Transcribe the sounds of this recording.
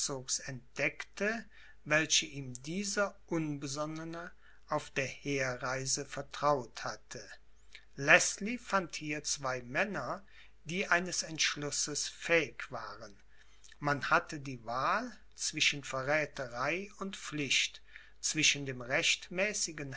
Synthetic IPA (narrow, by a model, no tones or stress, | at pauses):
t͡soːksɛnt̚d̥ɛktə | vɛlçəʔiːmdiːzɐʔʊnbəzɔnənə | ʔaʊfd̥eːɐheːɐʁaɪzəfɛɐtʁ̥aʊthatʰə | lɛslifanthiːɐt͡sv̥aɪmɛnɐ | d̥iːʔaɪnəsɛntʃlʊsəsfɛːɪkv̥aːʁən | manhatədiːvaːl | t͡sv̥ɪʃənfɛɐʁɛːtəʁaɪʊntp͡fflɪçt | t͡sv̥ɪʃən̩deːmʁɛçtmɛːsɪɡən